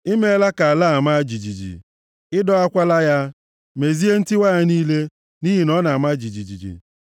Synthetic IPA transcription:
i˦me˦la˦ka˨a˨la˦˨a˨ma˦d͡ʒi˨d͡ʒi˨d͡ʒḭ˨ | ɪ˦dɔ˦a˦kʷa˦la˦ja˦ | me˨zi˦e˦n̩˦ti˦wa˦a˦niː˦le˦ | ni˦ɦi˨nɔ˦na˨a˨ma˦d͡ʒi˨d͡ʒi˨d͡ʒḭ˨d͡ʒḭ˨

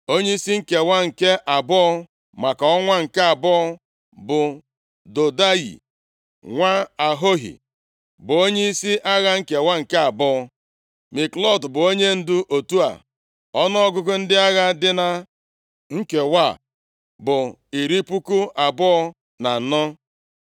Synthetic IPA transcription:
o˦ɲe˦i˦si˦ŋ̩˦ke˨wa˦ŋ̩˨ke˦ʔa˨bɔ˦ɔ˦ | ma˨ka˨ɔ˦ŋʷa˦ŋ̩˨ke˦a˨bɔ˦ɔ˦ | bʊ˨ | do˨da˦jḭ˨ | ŋʷa˦a˨ɦo˦ɦḭ˨ | bʊ˨o˦ɲe˦i˦si˦ʔa˦ɣa˦ŋ̩˦˨ke˨wa˦ŋ̩˨ke˦a˨bɔ˦ɔ˦ | mi˨klɔ˦˨dbʊ˨o˦ɲe˦n̩˦dʊ˦ʔo˨tu˦a̰˨ | ɔ˦nɔ˦ɔ˦ɡʊ˦ɡʊ˦n̩˦dɪ˦a˦ɣa˦dɪ˦na˦ | ŋ̩˦ke˨wa˦˨ | bʊ˨ | i˨ɾi˦pu˦ku˦a˨bɔ˦ɔ˦ | na˨n̩˨nɔ˦

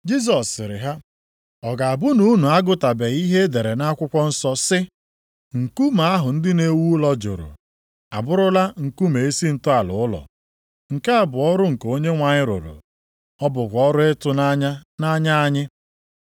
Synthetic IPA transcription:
d͡ʒi˦zs̬ɔ˨sɪ˨ɾɪ̰˨ɦa˦ | ɔ˨ɡa˨a˨bʊ˦nu˦nu˨a˦ɡʊ˦ta˨be˨i˦ɦe˦de˨ɾe˨na˦kʷʊ˦kʷɔ˦n̩˦sɔ˦sɪ˦ | ŋ̩˨ku˦ma˨a˦ɦʊ˨n̩˦dɪ˦ne˦wu˦lɔ˦d͡ʒʊ̰˨ɾʊ̰˨ | a˨bʊ˦ɾʊ˦la˦ŋ̩˨ku˦me˨e˦si˦n̩˦tʊ˦a˨lʊ̰˨ʊ˦lɔ̰˨ | ŋ̩˨ka˦a˨bʊ˨ɔ˦ɾʊ˦ŋ̩˨ko˦ɲe˦ŋʷa˨ɲɪ˦ɾʊ̰˨ɾʊ̰˨ | ɔ˦bʊ˨kʷɔ˦ɾʊ˦e˦tʊ˦na˦ɲa˦na˦ɲa˦a˦ɲɪ˦

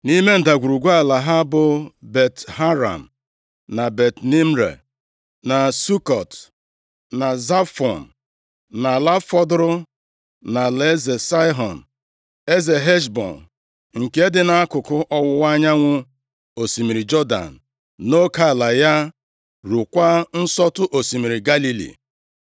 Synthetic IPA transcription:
ni˦me˦n̩˨da˨ɡʷu˨ɾu˨ɡʷa˦˨la˨ɦa˦bʊ˨be˨tɦa˦ɾa̰˨m̩˨ | na˨be˨tni˦m̩˦ɾḛ˨ | na˨su˦kɔ˨t | na˨za˦fɔ˨n̩˨ | na˨la˦fɔ˦dɾʊ˦ | na˨le˦ze˨sa˦jɦɔ˨n̩˨ | e˦ze˨ɦe˦ʃbɔ̰˨n | ŋ̩˨ke˦dɪ˦na˦a˦kʊ˨kʊ˦ʔɔ˦wʊ˦wa˦ɲa˦ŋʷʊ˦ | o˨si˨mi˨ɾi˨d͡ʒɔ˦da̰˨n̩˨ | no˦ka˦˨la˨ja˦ | ɾu˨kʷa˦n̩˦sɔ˦tʊ˦ʔo˨si˨mi˨ɾi˨ɡa˦li˦lḭ˨

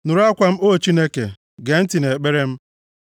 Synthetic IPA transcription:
nʊ˨ɾa˦kʷa˦m̩˦o˦˨t͡ʃi˦ne˦kḛ˨ | ɡe˨n̩˦ti˨ne˨k͡pe˦ɾe˦m̩˦

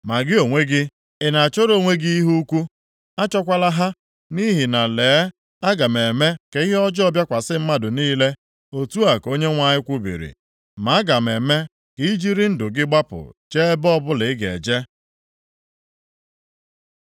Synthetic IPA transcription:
ma˨ɡɪ˦o˨ŋʷe˦ɡɪ˦ | ɪ˨na˨a˨t͡ʃo˦ɾo˦˨ŋʷe˦ɡi˦i˦ɦu˦kʷu˦ | a˦t͡ʃɔ˦kʷa˦la˦ɦa˦ | ni˦ɦi˨na˨leː˨˦ | a˦ɡa˨m˨e˨me˦ke˨i˦ɦe˦ɔ˦d͡ʒɔ˦bja˦kʷa˨sɪ˦m̩˦ma˦dʊ˨niː˦le˦ | o˨tu˦a˨ko˦ɲe˦ŋʷa˨ɲɪ˦kʷu˦bḭ˨ɾḭ˨ | ma˨a˦ɡa˨me˨me˦ | kd͡ʒi˦ɾi˦n̩˦dʊ˨ɡɪ˦ɡ͡ba˦pʊ̰˨t͡ʃe˦bɔ˦bʊ˦lɪ˨ɪ˦ɡe˨d͡ʒe˦

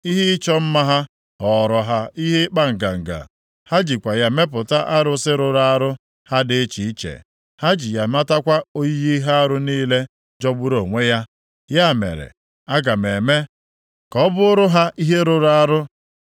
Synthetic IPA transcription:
i˦ɦi˦t͡ʃɔ˦m̩˦ma˦ɦa˦ | ɔ˨ɾɔ˨ɦa˨i˦ɦe˦k͡pa˦ŋ̩˨ɡa̰˨ŋ̩˨ɡa̰˨ | ha˦d͡ʒi˨kʷa˨ja˦me˦pʊ˨ta˦ʔa˦ɾʊ˦sɪ˦ɾʊ˨ɾa˦a˦ɾʊ˦ | ha˦dɪ˦t͡ʃi˨i˦t͡ʃḛ˨ | ha˦d͡ʒi˨ja˨ma˦ta˦kʷa˦o˦ji˦ɣi˦ɦa˦a˦ɾʊ˦niː˦le˦ | d͡ʒɔ˦ɡ͡bʊ˦ɾo˨ŋʷe˦ja˦ | ja˦˨mḛ˨ɾḛ˨ | a˦ɡa˨me˨me˦ | kɔ˦bʊ˦ʊ˦ɾʊ˦ɦa˦ʔi˦ɦe˦ɾʊ˨ɾa˦a˦ɾʊ˦

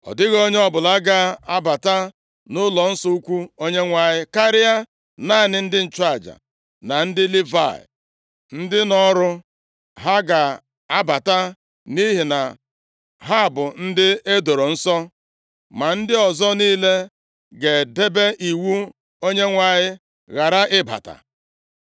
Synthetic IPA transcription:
ɔ̰˨dɪ˦ɣo˦ɲe˦ɔ˦bʊ˨la˦ɡa˦a˦ba˨ta˦ | nʊ˦lɔ˨n̩˦sɔ˦u˦kʷu˦o˦ɲe˦ŋʷa˨ɲɪ˦ka˦ɾɪ˦a˦ | na˦˨nɪ˨n̩˦dɪ˦n̩˨t͡ʃa˦˨d͡ʒa̰˨ | na˨n̩˦dɪ˦li˦va̰˦˨ɪ̰˨ | n̩˦dɪ˦nɔ˦ɾʊ˦ | ɦa˦ɡa˨ | a˦ba˨ta˦ | ni˦ɦi˨na˨ | ɦa˦˨bʊ˨n̩˦dɪ˦e˦do˨ɾo˨n̩˦sɔ˦ | ma˨n̩˦dɪ˦ɔ˨zɔ˦niː˦le˦ | ɡe˨de˦be˦ʔi˨wu˦ | o˦ɲe˦ŋʷa˨ɲɪ˦ | ɣa˨ɾa˦ʔɪ˦ba̰˨ta̰˨

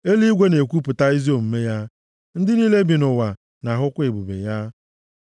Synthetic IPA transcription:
e˦li˦i˦ɡʷe˦ne˨kʷu˦pʊ˨ta˦i˦zi˦o˨m̩˨me˦ja˦ | n̩˦dɪ˦niː˦le˦bi˨nʊ˨wa˨ | na˨ɦʊ˦kʷʊ˦ɪ˨bu˨bḛ˨ja˦

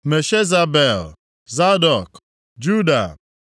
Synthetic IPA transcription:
me˨ʃe˦za˨be˨l | za˦dɔ˨k | d͡ʒu˦da̰˨

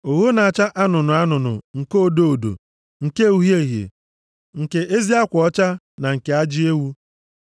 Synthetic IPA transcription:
o˨wo˦na˨a˨t͡ʃa˦ʔa˦nʊ˨nʊ˨a˦nʊ˨nʊ̰˨ŋ̩˨ko˦˨do˦o˨do̰˨ | ŋ̩˨ke˦u˦ɦje˦˨ɦjḛ˨ | ŋ̩˨ke˦ʔe˦zi˦a˦kʷɔ˦t͡ʃa˦ | na˨ŋ̩˨ke˨a˦d͡ʒi˦e˦wu˦

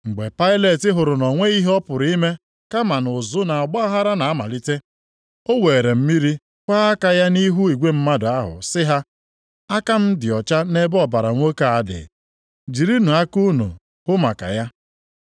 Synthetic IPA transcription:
ŋ͡m̩˨ɡ͡be˨pa˦ɪ˦le˨tɪ˦ɦʊ˨ɾʊ˨nɔ˨ŋʷe˦i˦ɦe˦ɔ˦pʊ˨ɾi˦me˦ | ka˦ma˨nʊ˨zʊ˦na˨a˨ɡ͡ba˦a˦ɦa˦ɾa˦na˨a˦ma̰˨li˦te˦ | o˦we˨e˨ɾe˨m̩˦mi˦ɾi˦ | kʷa˦a˦ka˦ja˦ni˦ɦu˦i˨ɡʷe˦m̩˦ma˦dʊ˨a˦ɦʊ̰˨sɪ˦ɦa˦ | a˦ka˦m̩˦dɪ˨ɔ˨t͡ʃa˦ne˦bɔ˨ba˨ɾa˨ŋʷo˦ka˨a˦˨dɪ̰˨ | d͡ʒi˨ɾi˦nu˨a˦ku˦nṵ˨ | hʊ˦ma̰˨ka̰˨ja˦

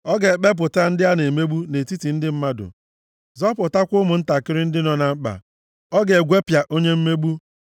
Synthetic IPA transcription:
ɔ˦ɡe˨k͡pe˦p̬ʊ˨ta˦n̩˦dɪ˦a˦ne˨me˦ɡ͡bu˦ne˨ti˦ti˨n̩˦dɪ˦m̩˦ma˦dʊ̰˨ | zɔ˦pʊ˨ta˦kʷʊ˦mʊ˨n̩˦ta˨kɪ˦ɾɪ˦n̩˦dɪ˦nɔ˦na˨m̩˦k͡pa̰˨ | ɔ˦ɡe˨ɡʷe˦pja˨ʔo˦ɲe˦m̩˦me˦bu˦

